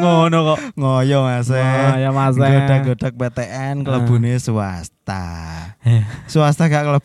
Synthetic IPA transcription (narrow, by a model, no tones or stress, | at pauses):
ŋonɔkɔŋojɔmasɛjɔmasɛɡod̥a̤ɡ̥oɖ̥ak̚pet̪eʔɛnkələb̥ṳnesua̰st̪a̰ | suast̪aɡaʔkələb